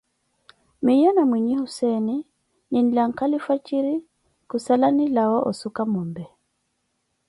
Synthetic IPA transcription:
mijɔnamwiɲihusɛni | ninlaŋ̩kalifwat͡ʃiɾi | kusalanilawaʔɔ̰sukamɔmbɛ

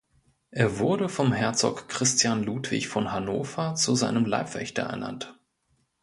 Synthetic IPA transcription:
ʔeːɐvʊɐdəfɔmhɛɐt͡sɔ̰kːʁ̥ɪstjanluːtv̥ɪ̰çfɔnɦanoːfɐt͡suzaɪnəmla̰ɪpv̥ɛ̰çtɐ̰ʔɛ̰ɐna̰nt

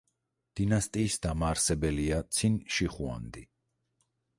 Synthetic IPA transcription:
d̪̥inast̪ʼiːsd̪amaːɾsɛbɛliat̪sʰinʃiχua̰nd̪i

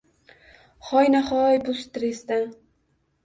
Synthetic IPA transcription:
χɒjnaχɒjbʊst̪ɾesd̪a

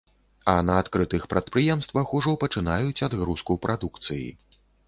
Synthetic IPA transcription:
ɐnɐːt̪kɾɨt̪ɨxpɾɐt̪̚pɾɨjɛmst̪vɐxuʐɔpɐt͡ʂɨnajut͡sʲad̪ɣɾuskupɾʔad̪ukt̪sɨjḭ

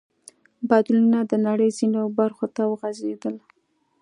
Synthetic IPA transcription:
bɑd̪lunad̪ənaɽəjzinobaɾxot̪awəɣazed̪əl

